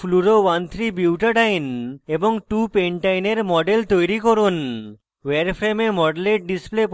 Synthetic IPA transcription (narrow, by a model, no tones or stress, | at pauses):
luɾowant̪ʰɾibiwʈaɖajneboŋʈupeɳʈajneɾmɔɖelt̪ojɾikoɾun | weɾpʰɾememɔɖeleʈ̚ɖisplep